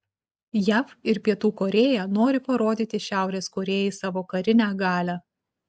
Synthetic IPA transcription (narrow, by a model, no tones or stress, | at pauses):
jæːfɪɾpʲiɛt̪uːkoɾʲeːjænoːɾʲɪpɐɾoːd̪ʲiːt̪ʲɪʃʲæˑʊɾʲeːskoːɾʲeːjɛɪsɑːʋoːkɐɾʲɪnʲæːɡɑːlʲæː